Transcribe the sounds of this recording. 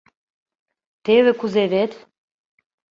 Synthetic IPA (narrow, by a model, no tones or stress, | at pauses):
t̪eβĕkuzeβet̪